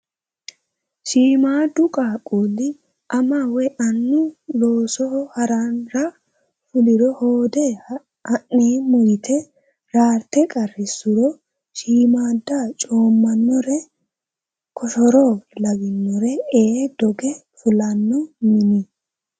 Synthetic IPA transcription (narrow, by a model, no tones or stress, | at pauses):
ʃiːmaːd̪ʊkʼaːkʼuːlɪ | ʔɐmawɛʔɐnːʊlo̞ːsɔhɔhɐɾanɾɐ | fʊlɪɾɔhoːd̪ɛ | ɐʔːeːmʊjɪt̪ʰɛ | ɾaːɾt̪ɛkʼɐrːɪsʊɾɔ | ʃiːmaːd̪ːat͡ʃʼo̞ːmːɐnːɔɾɛ | kʰɔʃɔɾɔlɐɡɪnːɔɾɛeːd̪ɔɡɛfʊlɐnːɔmɪni